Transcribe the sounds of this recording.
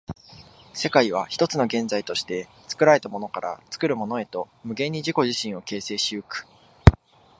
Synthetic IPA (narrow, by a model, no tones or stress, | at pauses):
se̞kaiβ̞açi̥t̪o̞t͡sɨno̞ɡẽ̞nd͡zait̪o̞ɕi̥t̪e̞ | t͡sɨ̥kɯ̟ɾaɾe̞t̪amo̞no̞kaɾʔa̰t͡sɨ̥kɯ̟ɾɯ̟mo̞no̞e̞t̪o̞ | mɯ̟ɡẽ̞ɲ̟ːiʑiko̞ʑiɕĩɰ̃o̞ke̞ːse̞ːɕio̟kɯ̟̥